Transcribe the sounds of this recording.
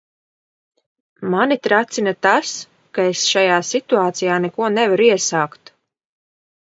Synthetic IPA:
manit̪ɾat̪sinat̪as | kaesʃajaːsit̪uaːt̪sijaːnɛkuɔnɛvaɾiɛsaːkt̪

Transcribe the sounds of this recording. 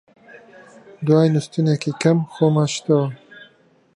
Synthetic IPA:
d̪wɑːjnust̪unekikɐmxoːmaʃt̪ɐwɐ

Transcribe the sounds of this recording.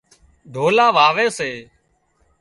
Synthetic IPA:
ɖ̪ʱoːlaːʋaːʋeːseː

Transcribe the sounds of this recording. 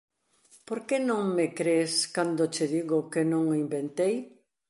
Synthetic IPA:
poɾkenõŋmekɾeskand̪ot͡ʃeðiɣʊkenõŋimbent̪ej

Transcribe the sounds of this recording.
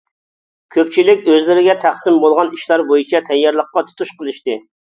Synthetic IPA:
kʲʰøp̚t͡ʃʰilɪkʲøzlɪɾɪɡʲɛt̪ʰæχsɪmbolˠʁɑniʃlˠɑɾbojit͡ʃʰɛt̪ʰɛjːɑɾlˠəqːɑt̪ʰu̥t̪uʃqəlˠɨʃt̪ɨ

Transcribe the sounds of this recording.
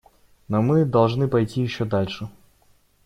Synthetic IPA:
nɔmɨd̪ɐlˠʐnɨpɐjtʲijɪɕːɔd̪alʲʂɨ

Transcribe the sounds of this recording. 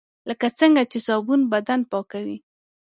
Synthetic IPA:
ləkat͡səŋɡat͡ʃesɑbunbad̪anpɑkawi

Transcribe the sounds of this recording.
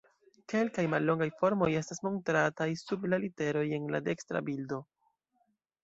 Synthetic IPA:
ke̞lkajmalːo̞ŋɡajfo̞ɾmo̞je̞stasmo̞ntɾatajsublalite̞ɾo̞je̞nla̰de̞kstɾa̰bildo̞

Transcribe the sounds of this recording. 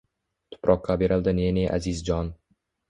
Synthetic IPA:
t̪ʰʊ̥pɾʔɒqʰːɑbeɾɪlˠd̪ɪneneʔa̰zɪzd͡ʒɒn

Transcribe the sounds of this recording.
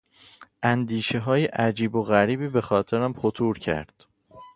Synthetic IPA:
ʔænd̪iːʃe̞ɦɒːjeʔæd͡ʒiːboɣæɾiːbiːbe̞xɒːt̪ʰe̞ɾæmxot̪ʰuːɾcʰæ̰ɾd̪̥

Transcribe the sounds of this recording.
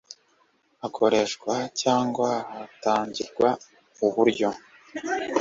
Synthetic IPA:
akʰo̞ɾe̞ʃkwacaːŋɡwaataːɲɟiɾɡwa | uβuɾɟo̞

